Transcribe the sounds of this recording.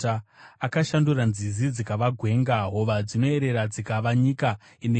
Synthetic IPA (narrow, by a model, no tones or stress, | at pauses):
aakaʃanduranzizid͡zikaʋaɡʱwe̞ŋɡaɦo̞ʋad͡zino̞e̞ɾe̞ɾad͡zikaʋaɲika | ine